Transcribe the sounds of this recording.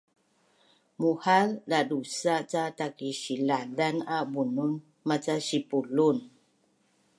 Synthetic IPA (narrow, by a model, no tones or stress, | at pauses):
muhaldadusat͡ʃat̪akiʃiladanabunumː | at͡ʃaʃipulun